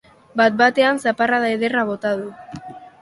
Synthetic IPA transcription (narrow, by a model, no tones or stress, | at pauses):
bat̪̚bat̪e̞ansaparaðaeðeraβo̞t̪aðu